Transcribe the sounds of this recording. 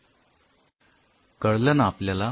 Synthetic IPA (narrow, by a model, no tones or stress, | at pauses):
kəɽlənapljala